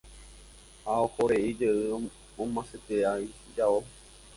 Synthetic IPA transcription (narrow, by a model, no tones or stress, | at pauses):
haohoɾeid͡ʒeɨ | õmãset̪eai | d͡ʒao